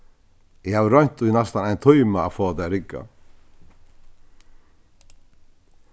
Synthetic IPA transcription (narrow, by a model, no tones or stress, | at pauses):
ɛhaːvɪɾœɥɲ̥t̪ujnast̪anajnt̪ʰɔjmaafɔːat̪ajɾɪkːa̰